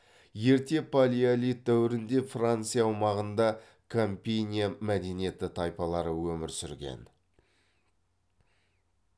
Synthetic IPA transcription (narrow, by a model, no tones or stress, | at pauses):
je̞ɾt̪e̞pʰalʲialʲit̪̚d̪æwɪɾɪnd̪e̞frant̪sijɑːwmɑʁənd̪ɑ | kʰomʲpʲejnʲijamæd̪e̞nije̞t̪ɪt̪ʰɑjpɑlˠɑɾəwɵmɪɾsʏɾɡʲḛn